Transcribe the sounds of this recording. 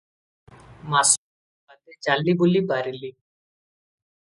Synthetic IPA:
maːs | bad̪et͡ʃalːibulibaːɾiliː

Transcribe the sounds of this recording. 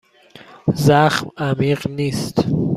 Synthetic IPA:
zaxmamiːqniːst̪

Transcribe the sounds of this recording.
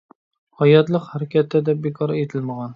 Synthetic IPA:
hɒjɑt̪lˠɤqhæɾækʲʰæt̪ːæd̪ɛbekʰɑɾet̪ʰɪlməʁɑn

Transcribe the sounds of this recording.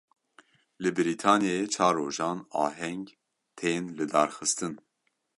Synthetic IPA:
lɨbɨɾiːt̪ʰɑːnijeet͡ʃʰɑːɾːoːʒɑːnɑ̰ːɦɛŋɡ | t̪ʰeːnlɨd̪ɑːɾxɨst̪ɨn

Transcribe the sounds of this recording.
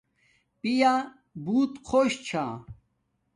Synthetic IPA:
pija | buːt̪kʰoɕt͡ɕʰaː

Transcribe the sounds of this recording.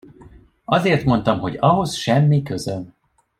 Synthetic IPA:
ɒzeːrt̪mo̞n̪t̪ɒmɦo̞ɟɒɦo̞sʃɛmːikøzøn

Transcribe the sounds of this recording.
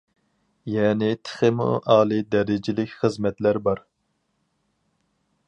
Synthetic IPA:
jɛːnɪt̪ʰɪ̥χɪm̰ʔɑːlˠɨd̪ɛɾɪd͡ʒɪlɪkʲχəzmɛt̪læɾbɑɾ

